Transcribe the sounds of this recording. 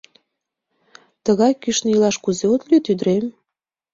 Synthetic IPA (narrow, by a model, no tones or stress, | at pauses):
t̪əɣɑjkyʃnəilɑʃkuzeot̪lʲyt̪yd̪ɾem